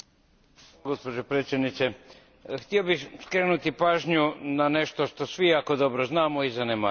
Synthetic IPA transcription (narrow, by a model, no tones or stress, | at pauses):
ɡospo̞d͡ʑopɾeːt̪sjed̪nit̪se | xt̪iobixskɾeːnut̪ipaːʒɲunane̞ʃt̪oʃt̪o̞sʋijako̞d̪o̞bɾoznaːmoizanema